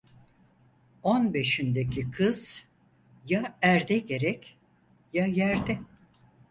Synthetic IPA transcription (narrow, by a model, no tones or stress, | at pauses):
onbe̞ʃind̪ecʰikʰɯz̥ | jaæɾd̪ɛɟe̞ɾɛc | jajæɾd̪ɛ